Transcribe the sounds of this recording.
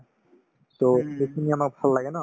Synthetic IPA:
soxejkʰiniamak̚bʱalːaɡɛna

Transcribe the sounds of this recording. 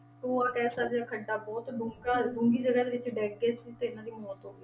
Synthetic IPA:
oːaːkɛːsaːɾd͡ʒaːkʰəɖːaːbɔːt̪bʊŋɡaːbʊŋɡiːd͡ʒəɡaːd̪eːʋɪt͡ʃɖɛːɡeːsiːt̪eːɪnãːd̪iːmɔːt̪ɦoːɡiː

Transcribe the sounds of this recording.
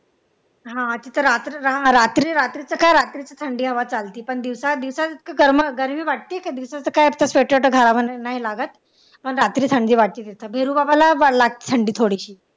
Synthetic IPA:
ɦãət̪iːt̪əɾat̪ɾiɦããɾat̪ɾiːɾat̪ɾit͡səkajɾat̪ɾit͡sat̪ʰəɳɖiːɦəʋat͡salt̪iːpəɳd̪iʋsad̪iʋsat͡sit̪̚kaɡəɾməɡəɾmiːʋaʈ̚t̪iːekad̪iʋsat͡səkajapt̪aseʈeʈəɡʱaɾaʋənnaɦilaɡət̪ | pəɳɾat̪ɾiːt̪ʰəɳɖiːʋaʈ̚t̪iːt̪et̪əbʱeɾuːbabalaʋalaɡ̚t̪i̥t̪ʰəɳɖiːt̪ʰoɽiɕiː

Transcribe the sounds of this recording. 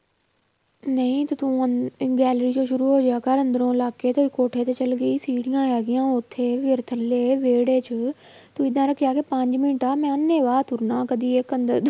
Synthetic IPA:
nɐĩt̪ɐt̪ũɡɛːlɾid͡ʑoːʃʊɾuɦoːd͡ʒeaːkaɾɐ̃nd̪əɾõɪlaːket̪oikoːʈʰet̪ɐt͡ɕɐlɡəiːsiːɽijãjaːɡijãʊt̪ʰːeʋɪɾt̪ʰəleːʋeːɽeːt͡ɕʰʊ | t̪ũːɪd̪ʱãɾɐkʰijaːkepɐ̃ɲd͡ʑmɪnʈaːmɛ̃ɐneːʋaːt̪ʰʊɾnãːkɐd̪ʱiekɐ̃nd̪əɾd̪

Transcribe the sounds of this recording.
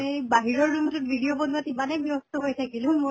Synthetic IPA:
baɦiɹɔɹdumtut̚bʱidiobɔnuatimanɛjbjɔstɔɦojtʰakilʊ̃mo

